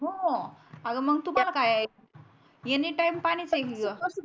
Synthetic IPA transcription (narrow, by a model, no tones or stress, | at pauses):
ɦo | aɡəməɡ̚t̪umalakaja | jeniʈajmpaɽ̃it͡sekiɡə